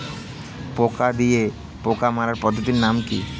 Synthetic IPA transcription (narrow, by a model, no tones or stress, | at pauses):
poːkad̪ie | poːkamaːɾaɾpəd̪ut̪inːaːmki